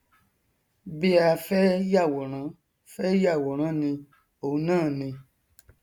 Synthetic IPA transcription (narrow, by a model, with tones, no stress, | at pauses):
be˧a˧fɛ˦ja˦˨wɔ˨ɾ̃ã˨˦ | fɛ˦ja˦˨wɔ˨ɾ̃ã˨˦nĩ˧ | o˨˦nãː˦˨nĩ˧